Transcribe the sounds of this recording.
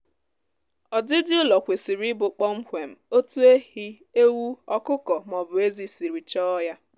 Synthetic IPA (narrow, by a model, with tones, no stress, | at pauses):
ɔ˨dɪ˦dɪ˦ʊ˦lɔ˨kʷe˨si˨ɾi˦bʊ˨k͡pɔ˦m̩˦kʷe˨m̩˨o˦tu˦e˦hi˦ | e˦wu˦ɔ˦kʊ˦kɔ˨m˨ɔ˨bʊ˨e˦zi˨si˨ɾi˨t͡ʃɔ˦ja˦